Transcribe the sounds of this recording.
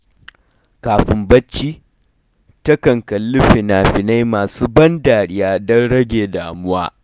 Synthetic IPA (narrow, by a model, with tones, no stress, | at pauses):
kaː˨ɸɪ˨mbɐ˦t͡ʃːiː˦ | tɐ˦kɐ˨ŋkɐ˨lːʊ˦ɸi˨naː˨ɸɪ˨na˦jmaː˨suː˦bɐ˦ndaː˨ɽɪ˦jaː˦dɐ˦nɽɐ˦ɡʲeː˨daː˨mʊ˦waː˦